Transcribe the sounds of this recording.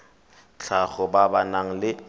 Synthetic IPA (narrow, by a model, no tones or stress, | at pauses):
t͡ɬʰaɣɔbabanaŋ̩lɪ